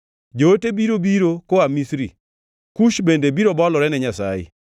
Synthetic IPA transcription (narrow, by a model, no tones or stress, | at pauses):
d͡ʒootebiɾobiɾokoamisɾḭ | kuʃbendebiɾobɔlɔɾɛnɛɲasa̰jɪ̰